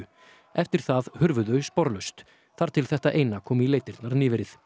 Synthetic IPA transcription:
ɛft̪ɪɾ̥θaðhʏɾvʏðœɥspɔɾlœst̪ | θaɾ̥t̪ʰɪlθɛht̪aʔeːjnakʰɔːmileːjt̪ɪɾt̪naɾnɪːvɪɾɪθ

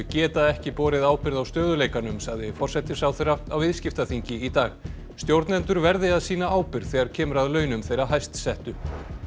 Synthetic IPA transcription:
cɛːt̪aðɛhcɪpɔːɾɪðaːwpɪɾðawst̪œːðʏleːjkanʏmsaɣðɪfɔr̥sɛt̪ɪsawθeɾaft̪awvɪðscɪft̪aθiɲcɪit̪aːɣ | st̪jowɾt̪nɛnt̪ʏɾvɛɾðɪaðsiːnaaːwpɪɾθɛːɣaɾ̥cʰɛːmʏɾaðlœːɥnʏmθejɾaɦajst̪sɛht̪ʏ

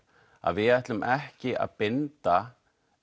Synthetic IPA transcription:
a̰ðvɪaht̪lʏmʔɛhcɪa̰ðpɪnt̪a

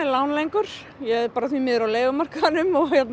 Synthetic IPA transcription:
lawnlejŋkʏɾ̥ | jɛɛpaːɾaθviːmɪːðɪɾawleːjɣʏmar̥kaðɪnʏmɔɣhjɛt̪n

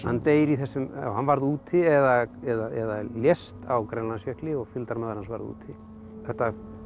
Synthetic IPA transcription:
hanːt̪eːjɾiθɛsːʏm̰whanvaɾðuːt̪ʰɪɛðaɛðaɛðaljɛst̪awkɾɛnlansjɛhklɪɔɣfjʏlt̪aɾmaːðaɾhansva̰ɾðṵːt̪ʰɪ | ɛht̪ːa

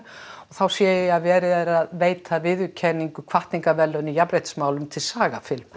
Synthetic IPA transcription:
ɔθawsjɛːɪaðvɛːɾɪðɛɾaðveːjt̪ʰavɪðʏcʰɛnːiŋkʏkʰv̥aht̪niŋkavɛlːœnijapɾejht̪smaːwlʏmt̪ʰɪlsaːɣafɪlm

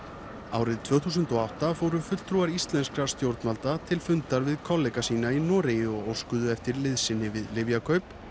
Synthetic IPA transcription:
a̰ːwɾɪðt̪ʰvœːθuːsʏnt̪ɔawht̪afoːwɾʏfʏt̪l̥t̪ʰɾuaɾist̪lɛnskɾast̪jowɾt̪nmalt̪at̪ʰɪlfʏnt̪aɾvɪðkʰɔlːejkasiːnainɔːɾejɪɔɣowskʏðʏɛft̪ɪɾlɪðsɪnːɪvɪðlɪvjakʰœɥp

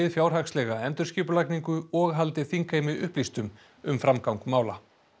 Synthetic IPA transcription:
ɪðfjaːwɾ̥ɦakslɛɣaɛmt̪ʏɾscɪːpʏlajkniŋkʏɔɣɦalt̪ɪθiŋkaɪmɪðʏ̰hplist̪ʏm | ʏmfɾamkawŋkmaːwla

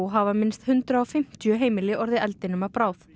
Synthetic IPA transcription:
ɦavamɪnst̪hʏnt̪ɾaɔfɪm̥t̪jʏɦeːjmɪlɪʔɔɾðɪʔɛlt̪ɪnʏmapɾaːwθ

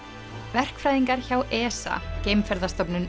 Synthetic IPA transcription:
vɛr̥kfɾajðiŋkaɾ̥çawʔɛːsa̰cejmfɛɾðast̪ɔpnʏn

